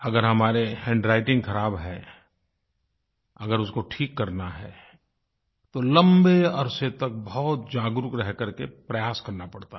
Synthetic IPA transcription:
ɐɡəɾɦɐmaːɾehɛ̃ːɳɖɾaːɪʈɪ̃ŋɡkɐɾaːbɦɛ̃ | ɐɡəɾʊskoʈʰiːkːɐɾnaɦɛ̰ | t̪olɐ̃mbeɐɾset̪ɐk̚bɔːt̪̚d͡ʒaːɡɾʊkɾɛɦkɐɾkepɾɐjaːskɐɾnapɐɽt̪a

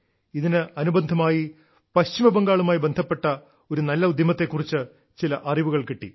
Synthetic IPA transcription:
iðinɨɐnubɐnd̪ʱɐmaːji | pɐɕt͡ɕimɐbɐŋɡaːɭumaːjibe̞nd̪ʱɐpːe̞ʈːɐ | o̞ɾunɐlːɐud̪jɐmɐt̪ːe̞kːurit͡ɕːɨ | t͡ɕilɐʔɐriʋuɣɐɭkiʈːḭ

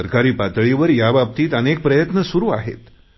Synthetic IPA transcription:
əɾkaɾiːpat̪ɭiʋəɾjabap̚t̪iːt̪ənek̚pɾəjət̪nəsuɾuːa̰ɦḛt̪

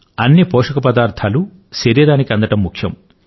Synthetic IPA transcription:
ɐnːipɔːʂɐkɐpɐd̪aːɾt̪ʰaːlu | ʃeɾiːɾaːnikiɐnd̪ɐʈɐmːukʰjɐm

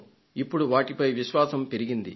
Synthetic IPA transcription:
ipːuɽuʋaːʈipɐjʋiʃʋaːsɐmpe̞ɾiɡind̪ḭ

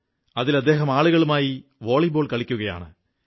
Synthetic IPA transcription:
ɐðilɐd̪ːe̞ːɦɐmaːɭuɣɐɭumaːjiʋoːɭiboːɭkɐɭikʲːuɣɐja̰ːɳɨ̰

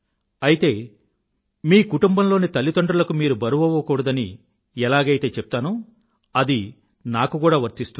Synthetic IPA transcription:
ɐjit̪e̞ː | miːkuʈumbɐmlo̞ːnit̪ɐlːit̪oɳɖulɐkumiːɾubɐɾubɐʋɐkuɽɐd̪ɐni | ɛlaːɡɐjt̪e̞ːt͡ʃɛp̚t̪aːnu | ɐd̪i | naːkukuːɽaːʋɐɾt̪ist̪u

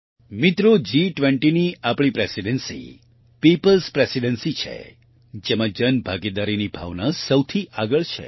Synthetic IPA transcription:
mit̪ɾod͡ʒiʈʋɛɳʈiniapɽ̃ipɾesiɖənsḭ | pipəlspɾesiɖənsit͡ʃʰḛ | d͡ʒemãd͡ʒənbʱaɡid̪aɾinibʱa̰ʋnasəwt̪ʰiʔaɡəɭt͡ʃʰḛ

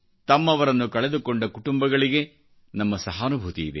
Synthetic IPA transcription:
t̪ɐmːɐʋɐɾɐnːukɐɭed̪ukoɳɖɐkuʈumbɐɡɐɭiɡe̞ | nɐmːɐsɐɦaːnubʱut̪iːd̪ḛ

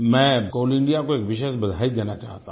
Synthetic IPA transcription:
mɛ̃ːkoːlɪ̃ɳɖijakoeːkʋɪʃesbɐd̪ʱaːid̪eːnat͡ʃa̰ːɦt̪a

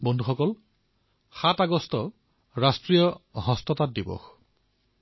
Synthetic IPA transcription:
bɔndʱuxɔkɔl | xataɡɔstɔ | ɹastɹijɔɦɔstɔtat̚dibɔ̰x

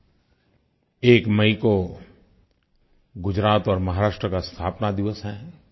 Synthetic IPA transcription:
eːkmɐiko | ɡʊd͡ʒɾaːt̪ɔːɾmɐɦaːɾaːʃʈɾəkast̪ʰaːpnad̪ɪʋəsɦɛ̃

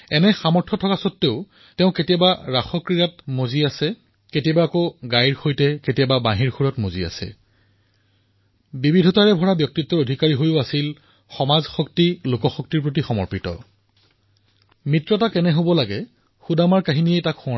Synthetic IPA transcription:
ɛnɛxamɔɹtʰɔtʰɔkasɔtːeʊ | tɛʊ̃ketijabaɹaxɔkɹijatmoziasɛ | ketijabaːkoɡajɹxojtɛketijababaɦiɹxuɹɔtmozia̰sɛ̰ | bibidʱɔtaɹɛbʱɔɹabjɔk̚titːɔodʱikaɹiɦojʊasil | xɔmazxɔk̚tilokɔxɔk̚tiɹp̬ɹot̬ixɔmɔ̰ɹpɹitɔ̰ | mitɹɔtakɛnɛɦobɔlaɡɛ | xudamaɹkaɦiniejtakxũɔ

